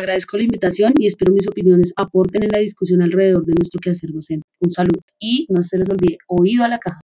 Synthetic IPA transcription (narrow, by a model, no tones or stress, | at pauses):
aɣɾaðe̞sko̞laimbit̪asjo̞nie̞spe̞ɾo̞mis̬o̞pinjo̞ne̞sapo̞ɾt̪enenlaðiskusjo̞nalre̞ðe̞ðo̞ɾd̪e̞nwe̞st̪ɾo̞keaseɾd̪osent̪eunsaluð | inose̞les̬o̞lbiðeoiðoalakaha